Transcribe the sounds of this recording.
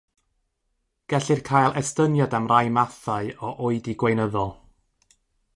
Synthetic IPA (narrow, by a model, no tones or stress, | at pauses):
ɡ̥ɛɬɨrkʰaːjlˠɛstənjɔdamrajmaθaɨɔʔoɨdiɡwejnəðɔlˠ